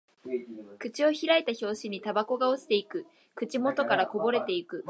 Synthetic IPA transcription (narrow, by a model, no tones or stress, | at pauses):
kɯ̟t͡ɕio̞çiɾaet̪aço̞ːɕiɲ̟it̪abako̞ɡaosi̥t̪e̞ikɯ̟ | kɯ̟t͡ɕimo̞t̪o̞kaɾako̞bo̞ɾe̞t̪e̞ikɯ̟